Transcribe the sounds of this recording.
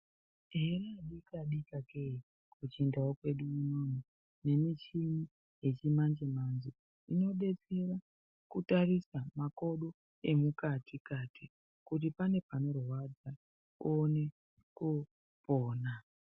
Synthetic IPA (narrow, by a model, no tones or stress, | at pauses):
ɦe̞raɗikaɗikakei | kut͡ʃindaokwe̞ɗuunonu | ne̞mit͡ʃimi | je̞t͡ʃimand͡ʒemanzo | ino̞ɗe̞t͡se̞ra | kutarisamako̞ɗo | e̞mukatʰikatʰi | kut̬ipane̞pano̞rwad͡za | one̞ | ku | poːna